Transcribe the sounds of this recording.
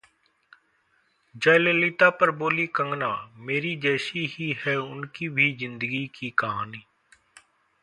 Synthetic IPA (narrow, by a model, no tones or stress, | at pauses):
d͡ʒaːleːliːt̪aːpəɾboːliːkəŋɡnãːmeːɾiːd͡ʒɛːsiːhiːhɛːʊnkiːbʱiːzɪ̃nd̪əɡiːkiːkəɦaːniː